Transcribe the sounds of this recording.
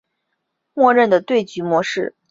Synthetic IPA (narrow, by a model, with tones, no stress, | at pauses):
mwɔ˥˧ɻə˥˩nd̪ə˩t̪we˥˩ɪt͡ɕy˧˥mwɔ˧˥ʂɻ̩˥˩